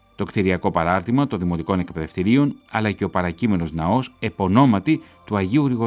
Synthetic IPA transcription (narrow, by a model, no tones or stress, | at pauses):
t̪o̞kt̪iɾiɐko̞pɐɾɐɾt̪imɐt̪o̞nðimo̞t̪iko̞ne̞kpe̞ðe̞ft̪iɾio̞nɐlɐce̞o̞pɐɾɐcime̞no̞znɐo̞se̞po̞no̞mɐt̪i | t̪uɐʝiuɾiɣo